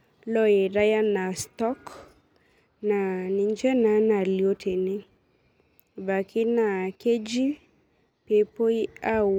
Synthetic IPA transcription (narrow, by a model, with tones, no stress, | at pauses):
lɔ˦je˨ɾa˦ja˦na˨stɔ˦k | na˨nɪ˨ɲd͡ʒɛ˦na˨na˨ljo˦tʰe˨nɪ˦ | ba˨kɪ˦na˨ke˦d͡ʒi˦ | pe˦po˦a˦